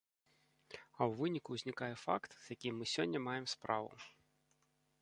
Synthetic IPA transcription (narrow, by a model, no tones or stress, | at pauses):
ɐwvɨnʲikuwzʲnʲikajɛfa̰kt̪z̥jakʲimɨsʲɔnʲːɐmajɛmspɾavṵ